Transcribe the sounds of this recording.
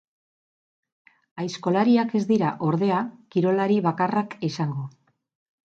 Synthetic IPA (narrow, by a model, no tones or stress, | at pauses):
ajsko̞laɾiake̞zd̪iɾaʔo̞ɾðe̞akiɾo̞laɾiβakarakesaŋɡo̞